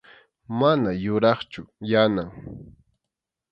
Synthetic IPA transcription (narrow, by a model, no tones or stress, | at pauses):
manajʊɾɑχt͡ʃʊjanaŋ